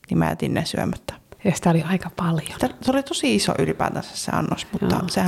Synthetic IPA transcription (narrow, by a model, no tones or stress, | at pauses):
nimæjæ̰t̪inːesyømæt̪ːæ̥jɑsi̥t̪æoliɑikɑpɑljoseolit̪osiiso̰ʔylipæ̰ːt̪æsessḛɑ̰nːosmut̪ːɑ̰sehæ